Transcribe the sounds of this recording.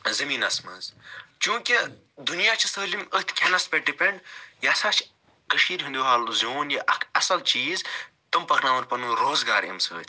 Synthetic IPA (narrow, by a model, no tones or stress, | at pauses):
zɐmiːnɐsmɐ̰nzt͡ʃũːkʲi | d̪unjaːt͡ʃʰisəːlimət̪ʲʰkʰʲɐnɐspeʈɖipeɳɖjɐsaːt͡ʃʰ | kəʃiːɾɦind̪uːɦaːluzʲoːnjɐʔɐkʰɐsɐlt͡ʃiːz | t̪ɐmpɐknaːmɐɾpɐnuɾoːzɡaːɾɐ̰msə̰ːt̪ʰʲ